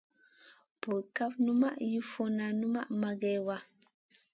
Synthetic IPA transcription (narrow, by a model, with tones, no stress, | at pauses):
pu˨lka˦fnu˦ma˦ʔju˦fo˦na˨nu˦ma˦ʔma˨ɡe˨wa˦